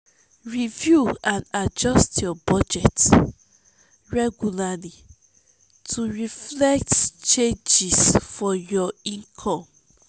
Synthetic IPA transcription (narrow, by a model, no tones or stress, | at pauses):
ɹivjuãnad͡ʒɔstʰjɔbɔd͡ʒɛt | ɹɛɡulali | tʰuɹiflɛk̚tt͡ʃẽnd͡ʒisfɔjɔĩnkʰɔ̃m